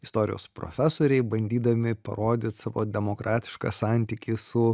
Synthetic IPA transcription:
ɪst̪oːɾʲɪ̰jo̰ːspɾo̰ːfʲæsoːɾʲɛɪbɐnʲd̪ʲiːd̪ɐmʲɪpɐ̰ɾoːd̪ʲɪt̪sɑʋo̰ːd̪ʲɛmoːkɾʔɑːt̪ʲɪ̥ʃkɑ̰sɑnʲt̪ʲiːkʲisʊ

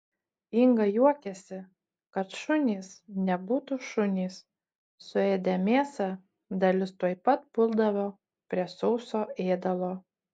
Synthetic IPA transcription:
ɪŋɡɐjuɔkʲɛsʲɪ | kɐt̪ʃʊnʲiːsnʲɛbuːt̪uʃʊnʲiːs | sʊeːd̪ʲɛmʲeːsɐ | d̪ɐlʲɪst̪uɔɪpɐt̪̚pʊlˠd̪ɐʋoː | pʲɾʲiɛsɔʊsoːeːd̪ɐlˠoː

